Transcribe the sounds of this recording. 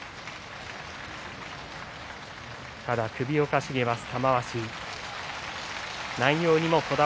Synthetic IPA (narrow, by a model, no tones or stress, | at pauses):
t̪ad̪akɯ̟bʲio̞kaɕiɡe̞masɨ̥t̪amaβaɕiː | naĩjo̞ːɲ̟imo̞ko̞d̪a